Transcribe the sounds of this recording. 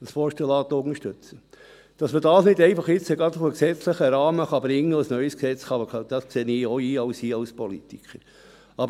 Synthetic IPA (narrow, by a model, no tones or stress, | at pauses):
əsfɔʃtəlɑːt̪ʊŋəʃtʏt͡sə | d̥ɑsməd̥ɑːsnɪdɛɪfɑχɪt͡səɡɾɑd̪ʊfəksɛt͡slɪχəɾɑːməχɑbɾɪŋːəəsnœʏəsksɛt͡sχɑməɑd̥̪ɑskseːniːoiːɑʊsiːɑlspɔlit̪ikʰəɾ | ɑbə